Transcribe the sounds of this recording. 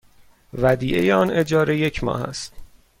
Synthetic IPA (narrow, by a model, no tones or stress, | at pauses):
væd̪iːʔe̞jeɒne̞d͡ʒɒːɾe̞je̞cʰmɒ̰ːhæ̰st̪